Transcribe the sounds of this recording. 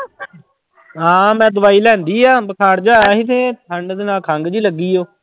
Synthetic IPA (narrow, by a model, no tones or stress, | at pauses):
ɦãːmɛ̃ːd̪ʊʋaːiːlɛ̃ːnd̪iːaːbəkʰaːɾd͡ʒaːɦit̪ʰẽːt̪ʰəɳd̪eːnaːlkʰaŋɡd͡ʒiːləɡːiːoː